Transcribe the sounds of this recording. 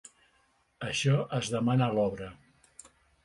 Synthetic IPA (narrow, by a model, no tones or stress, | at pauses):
əʃɔʔəzðəmanəlɔβɾə